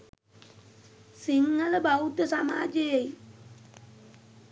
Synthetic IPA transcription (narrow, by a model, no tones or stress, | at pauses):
siŋːələbaut̪əsama̰ːd͡ʒejej